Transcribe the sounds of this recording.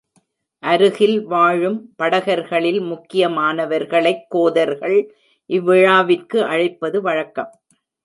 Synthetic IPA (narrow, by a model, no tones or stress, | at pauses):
ʔɐɾɯɣɪlʋaːɻɯmpɐɽɐɣɐɾɣɐɭɪlmʊkːɪjɐmaːnɐʋɐɾɣɐɭɐɪkːoːðɐɾɣɐɭ | ʔɪʋːɪɻaːʋɪrkɯʔɐɻɐɪpːɐðɯʋɐɻɐkːɐm